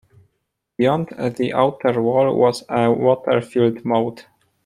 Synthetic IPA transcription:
b̥ijɔ̃nd̪ðiʔaʊtʰəɹwɔlwɔ̰zəwɔtʰə̰ɹfildmoʊt

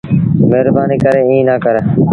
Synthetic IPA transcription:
meɦɾbaːniːkəɾeːĩːnaːkəɾ

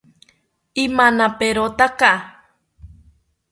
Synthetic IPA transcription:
imanapeɾot̪aka

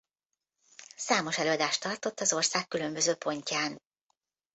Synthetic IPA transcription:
saːmo̞ʃɛløːɒd̪aːʃt̪ɒrt̪o̞t̪ːɒzo̞rsaːkːylø̞mbø̞zøːpʰo̞ɲcaːn

